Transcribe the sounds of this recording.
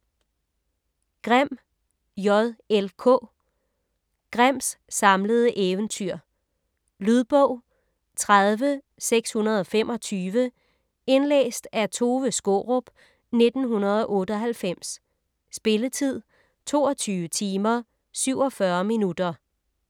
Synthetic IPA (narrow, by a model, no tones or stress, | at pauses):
ɡ̥ʁam̰ | jɒðˠelkʰɔ̰̽ː | ɡ̥ʁam̰sːɑ̈mləð̞̩ˠəʔeːʊənt͡sʰyɐ̰ | lyðˠb̥ɔʊ̰ | t͡sʰʁaðˠʋə | seɡ̥shunɐð̞ˠɒ̽fem̰ʔɒ̽t͡sʰyːʋə | e̝nlḛːsd̥æt͡sʰo̝ːʋəsɡ̥o̝̰ʁɔb̥ | ne̝d̥n̩ɦunɐð̞ˠɒ̽ʔɔ̽ːdəɒ̽ɦælfem̰s | sb̥e̝lət͡sʰið̞̰ˠ | t͡sʰo̝̰ːɒ̽t͡sʰyːʋət͡sʰiːmɐ | syʊ̰ɒ̽fɶɐminud̥ɐ